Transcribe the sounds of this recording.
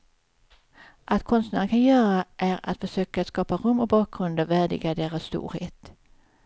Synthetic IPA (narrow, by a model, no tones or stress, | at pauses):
ʔat̪̚kʰɔnst̪næɾəkʰanjœːɾaʔæɾa̰t̪fœʂøːkat̪skɑːpaɾɵmːɔk̚bɑːk̚ɡɾɵnd̪əvæːɖɪ̰ɡad̪eːɾasːt̪ṵːɾheːt̪